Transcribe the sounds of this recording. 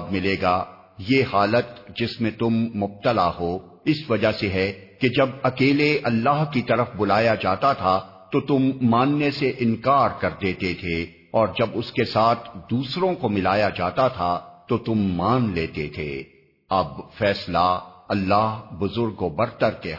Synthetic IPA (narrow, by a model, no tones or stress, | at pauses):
bmɪleːɡaː | jehaːlət̪d͡ʒɪsmẽt̪ʊmːʊb̚t̪əlaɦoː | ɪsʋɐd͡ʒaseɦɛked͡ʒɐbɐkeːleɐlːaːɦkit̪ɐɾəfbʊlaːjad͡ʒaːt̪at̪ʰa | t̪ot̪ʊmːaːnːeseʔɪ̃nkaːɾkɐɾd̪eːt̪et̪ʰe | ɔːɾd͡ʒɐbʊskesaːt̪ʰd̪uːsɾõkomɪlaːjad͡ʒaːt̪at̪ʰat̪ot̪ʊmːaːnleːt̪et̪ʰḛː | ɐbfɛːslaɐlːaːɦbʊzʊɾɡobɐɾt̪əɾk̪e